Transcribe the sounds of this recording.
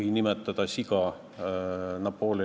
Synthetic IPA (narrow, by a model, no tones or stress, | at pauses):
inimet̪ːˑɑd̪̥ɑsiɡɑ | nɑpːoːli